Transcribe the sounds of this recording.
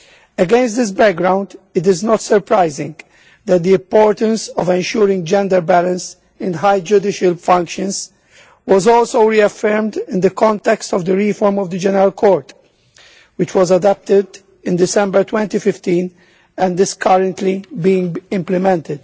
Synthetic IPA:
ɛɡɛ̃nst̪̚d̪ɪs̬bæk̚ɡɾãʊ̃nd̪ɪt̪̬ɪznɔt̪səɾpɾaɪzɪ̰̃ŋɡ | d̪æt̪̚d̪iɪ̃mpoːɹt̪ə̃nsɔvɛ̃nʃuːɾɪ̃ŋɡd͡ʒɛ̃nd̪əɾbælə̃ns | ɪ̃nɦajd͡ʒʊd̪ɪʃəlfʌ̃ŋkʃə̃nz | wɔzɔːlsoʊɾiɐfɛɾmd̪ɪ̃nd̪əkɔ̃nt̪ɛkst̪ɔvd̪əɹifɔɾmɔvd̪əd͡ʒɛnəɾəlkʰɔːɹt̪ | wɪt͡ʃwɔzɐd̪ɔp̚t̪ɪd̪ | ɪ̃nd̪ɪsɛ̃mbəɹt̪wɛ̃nt̪ifɪft̪ĩːn | ɛ̃nd̪ɪskʰʌɾə̃nt̪libiːɪ̃ŋɡɪ̃mplɪmɛ̃nt̪ɪd̪̥

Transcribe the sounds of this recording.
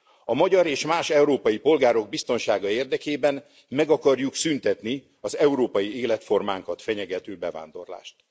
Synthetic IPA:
ɒmɒɟɒɾeːʃmaːʃɛuɾoːpɒjipo̞lɡaːɾo̞ɡ̚bist̪o̞nʃaːɡɒeːrd̪ɛkeːbɛn | mɛɡɒkɒrjuksynt̪ɛt̪ni | ɒzɛuɾoːpɒjieːlɛt̪fo̞rmaːŋkɒt̪fɛɲɛɡɛt̪øːbɛva̰ːnd̪o̞̰rla̰ːʃt̪

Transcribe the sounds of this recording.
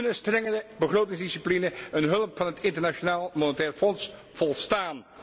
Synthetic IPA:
nəstrɛŋədəbəχrowtɪŋzdisiplinəənɦɵləpfɑnɦətɪntəɹnaʃonaːlˠmonətɛːrfɔns | v̥ɔlˠstaːn

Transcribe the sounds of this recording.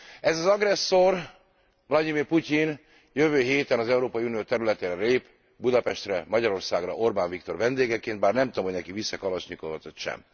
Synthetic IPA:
ɛzɒzɒɡɾɛsːor | vlɒdimirpucin | jøvøːɦeːt̪ɛnɒzɛuɾoːpɒiunijoːt̪ɛɾylɛt̪eːɾɛleːp | bud̪ɒpɛʃt̪rɛmɒɟɒɾo̞rsaːɡrɒ̰ʔo̞rbaːɱvikt̪o̞rvɛnd̪eːɡɛkeːnt̪baːrnɛmt̪oːmhoɟnɛkivisːɛkɒlɒʃɲikovɒt̪ot̪ʃɛ̰m

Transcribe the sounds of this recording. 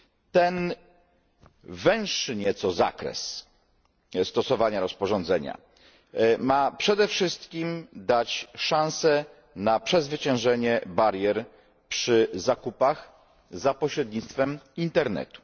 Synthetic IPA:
t̪ɛn | vɛ̃w̃ʂɘɲɛt̪sɔza̰kɾɛ̰s | st̪ɔsɔvaɲaɾɔspɔʐɔnd̪zɛɲa̰ | mapʂɛd̪ɛfʂɘst̪kʲimd̪at͡ɕʂãnsɛ | napʂɛzvɘt͡ɕɛ̃w̃ʐɛɲɛbaɾʲjɛɾ | pʂɘzakupax | zapɔɕɾɛd̪̚ɲit̪st̪fɛmint̪ɛɾnɛ̰t̪u̥

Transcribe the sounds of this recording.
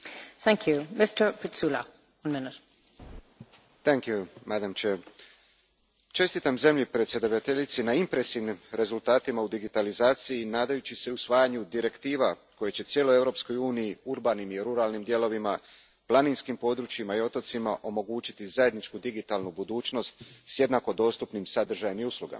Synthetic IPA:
θæ̃ŋkʰjumɪstə˞pʰɪtsula | wɐ̃nmɪnɪt | t̪ɛŋkjumad̪amt͡ʃe | t͡ʃe̞st̪it̪amze̞mʎipɾet̪sje̞d̪aʋ̪at̪e̞ʎit̪sinaimpɾe̞siʋnimɾe̞zulˠt̪aːt̪imaud̪iɡit̪alizaːt̪sijinaːd̪ajut͡ɕise̞usʋaːjaɲud̪iɾe̞kt̪iːʋako̞jet͡ɕe̞t̪sje̞lˠo̞je̞vɾo̞psko̞juːnijiuɾbanimiɾuɾaːlnimd̪je̞lo̞ʋima | plˠaninskimpo̞d̪ɾut͡ʃjimaio̞t̪o̞t̪simaʔo̞mo̞ɡuːt͡ɕit̪izaje̞d̪nit͡ʃkud̪iɡit̪aːlˠnubud̪uːt͡ʃno̞st̪sje̞d̪nako̞d̪o̞st̪upnimsad̪r̩ʒajemiuslˠuɡa̰ma

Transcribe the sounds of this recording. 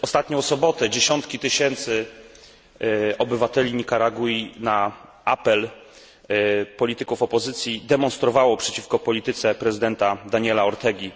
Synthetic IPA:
ɔst̪at̪ɲɔ̃w̃sɔbɔt̪ɛd͡ʑeɕɔnt̪kʲit̪ɘɕɛnt̪sɘ | ɔbɘvat̪ɛlʲiɲikaɾaɡuina | apɛl | pɔlʲit̪ɘkufɔpɔzɘt̪sʲjid̪ɛmɔnst̪ɾɔvawɔpʂɛt͡ɕifkɔpɔlʲit̪ɘt̪sɛpɾɛzɘd̪ɛnt̪ad̪aɲɛlaɔɾt̪ɛɡʲi

